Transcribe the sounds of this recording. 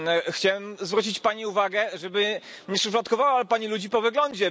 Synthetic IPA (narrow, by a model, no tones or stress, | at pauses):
xt͡ɕawɛmzvɾut͡ɕit͡ɕpaɲiuvaɡɛʐɛbɘ | ɲɛʂɘflɔt̪kɔvawapaɲilud͡ʑipɔvɘɡlɔɲd͡ʑɛ